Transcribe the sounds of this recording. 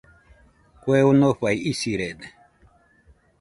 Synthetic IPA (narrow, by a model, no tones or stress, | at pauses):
kwewunoɸaiisiɾed̪